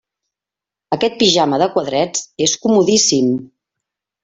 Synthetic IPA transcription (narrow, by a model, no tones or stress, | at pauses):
əkɛt̪̚piʒaməðəkwəðɾɛd͡zeskumuðisim